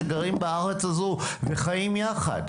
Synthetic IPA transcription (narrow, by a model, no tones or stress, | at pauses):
ɡaʁimbaaʁet͡sazuveχajimjaχa̰d